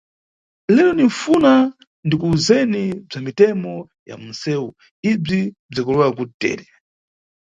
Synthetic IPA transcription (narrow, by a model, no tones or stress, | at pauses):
lɛlɔniɱfuna | ndikuːzɛnib͡ʐamitɛmɔ | ja̰munsɛːu | ib͡ʐi | b͡ʐikɔlɛakutɛ̰ːɾɛ